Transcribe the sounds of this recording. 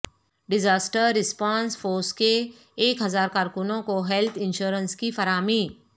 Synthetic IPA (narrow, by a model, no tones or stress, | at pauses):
ɖɪd͡ʒaːsʈəɾːɪspãːnsfʰoːɾskeː | kɦɐzaːɾkaːɾkʊnõkoɦɛlt̪ʰɪ̃nʃuːɾənskifɐɾaːmiː